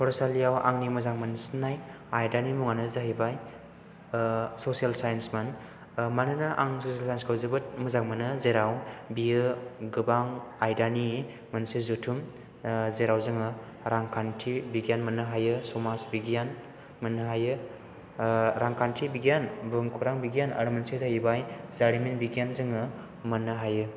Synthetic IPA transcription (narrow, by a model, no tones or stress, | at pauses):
pʰɔɾsalijawa̰ŋnimɯzaŋmansnaj | ajdanimuŋanɯzaɦibaj | sosijalsajensman | manɯnɯʔaŋsosialsajnskʰawzɯbɯt̚mɯzaŋmɯnɯzeɾawbijɯɡɯbaŋajdani | mɯnsezutʰum | zeɾawzɯŋɯ | ɾaŋkʰantʰibiɡijanmɐnɯɦajɯsomasbiɡijan | mɯnːɯɦajɯ | ɾaŋkʰantʰibiɡijanbɯŋkʰuɾaŋbiɡijana̰ɾumɐnsezajibajzaɾiminbiɡijanzɯŋɯ | mɯnːɯɦajɯ